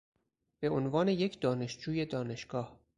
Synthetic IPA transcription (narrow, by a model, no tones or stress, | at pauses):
b̥e̞onvɒːne̞jecʰd̪ɒːne̞ʃd͡ʒuːje̞d̪ɒːne̞ʃɡ̥ɒːh